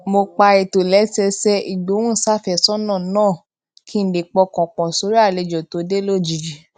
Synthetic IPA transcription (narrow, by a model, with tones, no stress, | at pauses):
mo˧k͡pa˧i˨to˨lɛ˨˦sɛ˧sɛ˧i˨do˨˦wũ˦˨sa˦˨fɛ˦˨sɔ˦nãː˦˨nãː˦˨ | kʰi˦n̩˨˦de˨k͡pɔ˧kɔ̃˨k͡pɔ̃˨so˨˦ɾi˦a˦˨le˧d͡ʒɔ˨to˧˦de˦lo˦˨d͡ʒi˨d͡ʒi˨